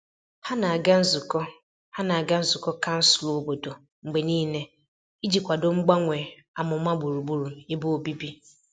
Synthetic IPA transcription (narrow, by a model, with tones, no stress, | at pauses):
ha˦na˨a˨ɡa˦n̩˦zu˨kɔ˦ | ha˦na˨a˨ɡa˦n̩˦zʊ˨kɔ˦ka˦n̩˦sʊ̥˨lo˨bo˨do˨ | ŋ͡m̩˨ɡ͡be˨niː˦ne˦ | i˦d͡ʒi˨kʷa˨do˨ŋ͡m̩˦ɡ͡ba˦ŋʷe˨a˨mʊ˨ma˦ɡ͡bu˨ɾu˨bu˦ɾu˨e˦bu˦o˨bi˦bi˦